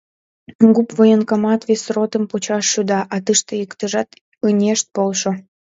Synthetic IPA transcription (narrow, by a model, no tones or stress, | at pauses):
ɡupvojənkɑmɑt̪βesrot̪əmput͡ɕɑʃːud̪ɑʔɑt̪əʃt̪ĕjəkt̪əʒɑt̪ | ɯnʲeʃt̪̚polʃo